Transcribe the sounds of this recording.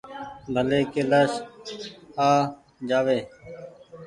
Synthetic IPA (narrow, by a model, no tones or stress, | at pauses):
bʱəleːkeːlaːʃ | aː | d͡ʒaːʋeː